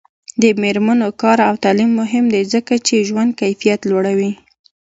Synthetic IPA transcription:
d̪əmeɾmanokɑɾawt̪ɑlimːʊɦɪmd̪ezəkat͡ʃeʒwand̪̚kajfijat̪lwaɽawi

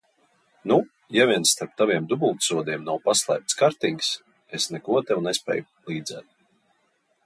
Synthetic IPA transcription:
nu | javʲiɛnst̪aɾp̚t̪avʲiɛmd̪ubulˠt̪suɔd̪iɛmnawpaslˠæ̰ːp̚t̪skaɾt̪iŋks | esnɛkuɔt̪ɛwnɛspʲɛ̰ːj | lˠiːd̪zɛ̰t̪̚

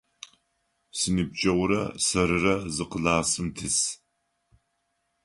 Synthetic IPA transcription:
sɨnɨb̚t͡ʃʼɐwɾɐ̰sɐɾɨrɐzɨqəɮaːsɨmtʰɨs

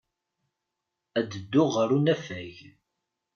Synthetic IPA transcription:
æd̪əd̪ːʊʁəɾunæfæʝ

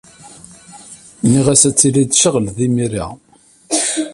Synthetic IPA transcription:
niʁæsæt͡sːilid̪ʃəʁlðimiɾḭ

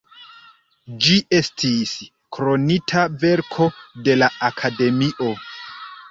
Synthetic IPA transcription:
d͡ʒiʔe̞stʰis | kʰɾo̞nitʰave̞ɾkʰo̞de̞laakʰade̞miʔo̞

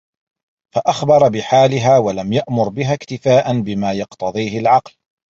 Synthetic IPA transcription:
faʔaxbɑɾˤbɪħaːlɪɦaːwalamjaʔmʊɾbɪɦaːkt̪ɪfaːʔanbɪmaːjɑqt̪ɑðˤiːhɪlʕɑql

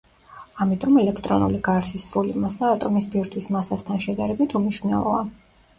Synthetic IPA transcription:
amit̪ʼɔmɛlɛkʰt̪ʼɾɔnṵliɡaɾsisɾulimasaːt̪ʼɔmisbiɾt̪ʰwismasast̪ʰanʃɛd̪aɾɛbit̪ʰumniʃwvnɛ̰lˠɔ̰a

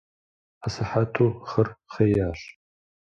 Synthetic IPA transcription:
asɨħatʰuːχɐrχejaːɬ

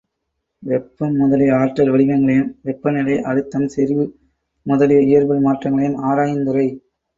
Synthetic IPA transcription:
ʋɛpːɐmːʊðɐlɪjɐaːʈːɐlʋɐɭɪɣɐŋɡɐɭɐjɯmʋɛpːɐnɪlɐɪʔɐɻɯt̪ːɐmsɛɾɪʋɯ | mʊðɐlɪjɐɪjɐɾbɪlmaːʈrɐŋɡɐɭɐjɯmaːɾaːjɪnd̪ɯɾɐɪ

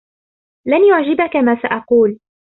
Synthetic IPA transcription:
lanjʊʕd͡ʒɪbakamaːsaʔɑquːl

